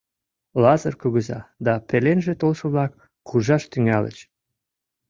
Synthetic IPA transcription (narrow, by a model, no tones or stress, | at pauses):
lɑzərkuɣəzɑ̰d̪ɑpelenʒet̪olʃɤ̆βlɑk | χuʒɑʃt̪yŋælə̰t͡ɕ